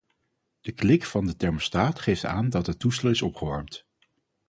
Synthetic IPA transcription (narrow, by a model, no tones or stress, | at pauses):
d̥əklɪkfɑndətɛɹməstaːtχejfta̰ːndɑtɦətːustəlɪsɔpχəʋɑɹmt